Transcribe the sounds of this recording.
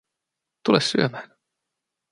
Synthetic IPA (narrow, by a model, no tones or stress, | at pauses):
t̪ulɛssyæmæːn